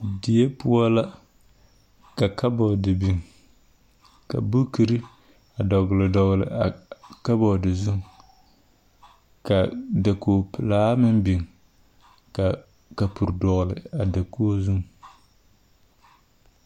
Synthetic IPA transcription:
dɪ˨e˦pʊ˦a˦la˦ | ka˨ka˦bɔ˨dɨ˨bi˨ŋ | ka̰˨bu˦ki˨ɾɨ˦ | a˨dɔ˨ɡlɨ˨dɔ˨ɣlɪ̰˨a˨ka˦bɔ˨dɨ˨zʊ˦ŋ | ka˨da˨koː˨pɪ˨laː˦mɨ˦nbi˨ŋ | ka˨ | ka˨pu˨ɾdɔ˨ɣlɨ˨a˨da˨koː˦zu˦ŋ

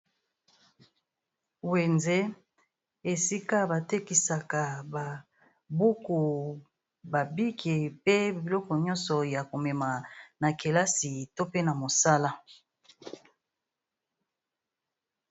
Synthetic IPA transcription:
we˨nze˦ | e˨si˦ka˦ba˨te˦ki˨sa˨ka˨ba˨ | bu˦ku˨ | ba˨bi˦kʰe˨pe˦bi˨lɔ˦kɔ˨ɲɔ˦nsɔ˨ja˨ko˨mɛ˨ma˨na˨ke˨la˦si˨to˦pe˦na˨mo˨sa˦la˦

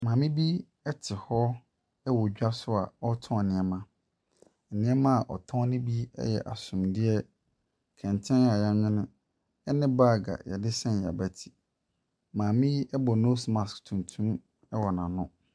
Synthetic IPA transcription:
mãː˨mɪ̃˦bi˦ | ɛ˦tʰɪ˨hɔ˦ | ɛ˦wɔ˨d͡ʑᶣa˦sʊ˦a̰˨ɔ˦tʰɔ̃˦˨nɪ̃˨ɛ˨˦mã˦ | ɛ˨nɪ̃˦ɛ˦mã˦a˨ʔɔ̰˨tʰɔ̃˦nɪ̃˦bi˦ɛ̰˦jɛ̰˨ʔa̰˨sʊ̃˨mdɪ˦ɛ˦ | kʰɛ̃˨ntʰɛ̃˦n˦˨a˨jã˦ɲᶣɪ̃˦nʊ̃˦ | ɛ˦nɪ̃˦baː˦˨ɡa̰˨jɛ̰˨dɪ˦sɛ̃˦n˨ja̰˨bæ˨tʰi̥˨ | mãː˨mɪ̃˦ɛ˦bɔ˨no˦smã˨sktʰũ˨ntʰũ˦m | ɛ˦wɔ˨nã˨nʊ̃˦

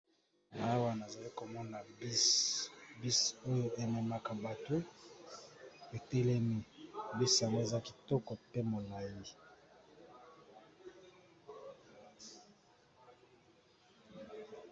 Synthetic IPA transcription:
na˨a˦wa˦na˨za˨li˦ko˨mɔ˦na˨˦ | bi˦so˦jo˦e˨mɛ˨ma˨ka˨ba˨to˦ | e˨tɛ˦lɛ˦mi˨bi˦sja˨ŋɡo˦e˨za˦ki˨tɔ˦kɔ˨pe˦mo˨la˨ji˦

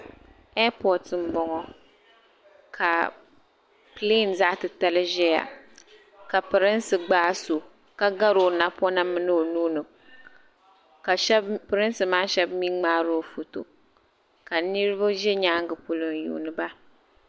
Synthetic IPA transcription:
ɛ˦pɔ˨tɨ˨m̩˨bɔ˨ŋɔ˦ | kʰa˨ | ple˦˨n˨za˦ʔtɨ˨ta˦lɨ˦ʒɛ˦ja̰˨ | ka˨pɨ˨ɾɨ˦n˦sɨ˨ɡ͡baː˦so˨ | ka˦ɡa˦ɾo˨na˦pɔ˦na˦mɨ˦nɨ˦o˨nuː˦nɨ˨ | a˨˦pɨ˨ɾɨ˦n˦sɨ˨maː˦ʃɛ˦bmi˦ŋ͡maː˦ɾo˦˨fu˨to̰˨ | ka˨nɨ˦ɾɨ˦ba˦ʒɛ˦ɲaː˦ŋ˦ɡɨ˨pu˨lɨ˨n˨jṵː˨nɨ˨ba˦

